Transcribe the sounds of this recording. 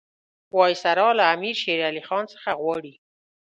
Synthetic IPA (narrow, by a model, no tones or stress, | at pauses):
wɑjsaɾɑlaːmiɾʃeɾalixɑnsə̥xaɣwɑɽi